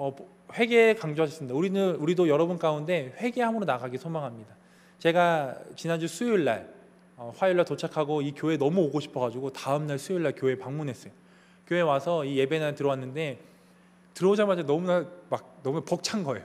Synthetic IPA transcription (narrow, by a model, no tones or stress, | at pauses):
ʌ | ɸwe̞ɡekaŋd͡ʑoɦaɕʰʌs͈ɯmidauɾinɯnuɾidojʌɾʌbunk͈aunde̞ɸwe̞ɡeɦamɯɾonaɡaɡisʰomaŋɦamɲida | t͡ɕe̞ɡat͡ɕinand͡ʑusʰujuɭːa̰ɭ | ʌɸwajuɭːaɭtot͡ɕʰakʰaɡoikjoe̞nʌmuoɡoɕʰi̥pʰʌɡad͡ʑuɡotaɯmnaɭsʰujiɭːaɭkjoe̞paŋmunɦe̞s͈ʌjo | kjoe̞wasʰʌije̞be̞nantɯɾʌwanːɯnde̞ | tɯɾʌod͡ʑamad͡ʑanʌmunamak̚nʌmunapʌk̚t͡ɕʰanɡʌe̞jo